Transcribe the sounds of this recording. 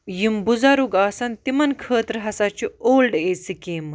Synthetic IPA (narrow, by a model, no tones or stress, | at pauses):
jimbud͡zaɾuɡaːsɐnt̪imɐnkʰəːt̪ɾɦɐsat͡ɕioːlɖeːt͡sikeːmɨ